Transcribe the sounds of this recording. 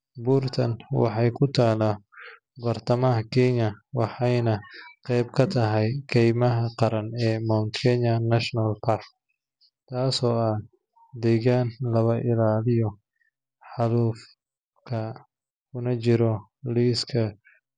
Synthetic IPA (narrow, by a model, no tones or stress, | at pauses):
buːrt̪ʰɐnwɑ̰ħɑjkʰʊt̪ʰaːla | bɐrt̪ʰɐmɐɦɐkʰɛɲɐwɑħɑjnɐqɛjbkʰɐt̪ʰɐɦɛjkʰɛjmɐɦɐqɑɾɐnɛːmɔnt̪kʰɛɲɐnɐʃnɐlpʰark | t̪ʰaːsɔːɐ | d̪ɛːɣaːnlɐβɐʔɪlaːlɪjɔ | ħɑluf | kʰɐ | ʊnɐt͡ʃɪɾɔ | liːskʰɐ